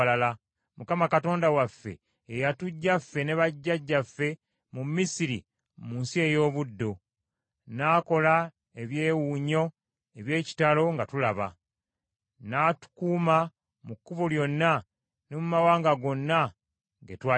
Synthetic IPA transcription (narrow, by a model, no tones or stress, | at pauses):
lala | mukamakato̞ːndawafːe̞̰ː | jatuɟːafːe̞ne̞βaɟːaɟːafːe̞ | mumːisiɾi | muːnsie̞jo̞ːβudːo̞ | naːko̞la | eβje̞ːwuɲo̞ | eβje̞ːci̥talo̞ŋɡatulaβa̰ | naːtu̥kuːma | mukːuβoljo̞nːa | nemumawaːŋɡaɡo̞nːa | ŋɡetwa